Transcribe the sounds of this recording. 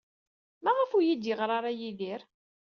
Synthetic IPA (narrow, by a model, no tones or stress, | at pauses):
mæʁəfujid̪jəʁɾˤaɾˤajiðiɾ